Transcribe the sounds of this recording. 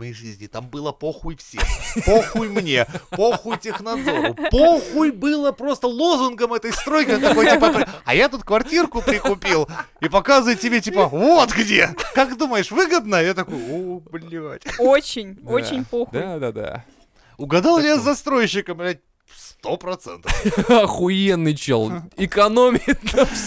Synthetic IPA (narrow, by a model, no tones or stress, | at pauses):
mɐjejʐɨzʲnʲɪt̪ambɨlˠəpoxujfsʲexpoxujmnʲe̞poxʊjtʲɪxnɐd̪zo̞ɾʊpoxujbɨlˠəpɾost̪əlˠo̞zʊnɡəmɛt̪əjst̪ɾo̞jkʲɪnt̪ɐko̞jt̪ʲipət̪oɐjat̪ut̪̚kvɐrtʲirkʊpɾʲɪkʊpʲilˠipɐkazɨvəɪt̪̚tʲɪbʲetʲipəvot̪ɡdʲe̞kakd̪uməjɪʂvɨɡəd̪nəjat̪ɐkojʊoblʲːotʲot͡ɕɪnʲot͡ɕɪnʲpoxd̪ad̪ad̪a̰ | ʊɡɐd̪alˠʲɪjazzːɐst̪ɾo̞jɕːɪkəmɾʲɛt̚ʲ | st̪o̞pɾɐt̪sɛ̰nt̪əfxʊjenːɨjt͡ɕo̰lˠɪkɐnomʲɪnəf